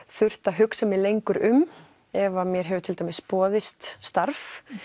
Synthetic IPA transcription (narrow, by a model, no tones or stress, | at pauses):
θʏr̥t̪aɦʏksamɪlejŋkʏɾʏm | ɛvamjɛɾ̥ɦɛvʏt̪ʰɪlt̪ajmɪsːpɔːðɪst̪st̪aɾf